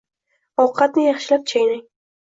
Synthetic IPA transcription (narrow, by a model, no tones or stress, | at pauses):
ɒwqʰɑt̪nɪjɑχʃɪlap̚t͡ʃʰajnaŋ